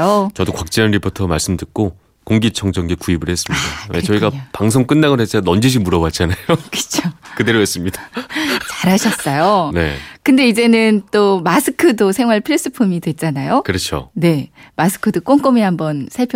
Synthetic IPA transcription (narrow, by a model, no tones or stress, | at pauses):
ot͡ɕʌdokwak̚t͡ɕ͈ianɾipʰotʰʌmaɭs͈ɯmdɯk̚k͈o | koŋɡit͡ɕʰʌŋd͡ʑʌŋɡekuibɯɭhe̞s͈ɯmɲidat͡ɕʌiɡapaŋs̬ʰoŋk͈ɯnːaɡonet͡ɕ͈anʌnd͡ʑiɕʰimuɾʌbwat̚t͡ɕ͈anajokɯ̥t͡ɕʰokɯde̞ɾoɦes͈ɯmɲidat͡ɕaɾɦaɕʰʌts͈ʌjone̞̰kɯnde̞id͡ʑe̞nɯnt͈omasʰɯkʰɯdosʰe̞ŋwaɭpʰɯɾes͈ɯpʰumidwe̞t̚t͡ɕ͈anajokɯɾʌt͡ɕʰo̰ne̞masʰɯ̥kʰɯdɯk͈oŋk͈omihambʌnsʰaɭpʰj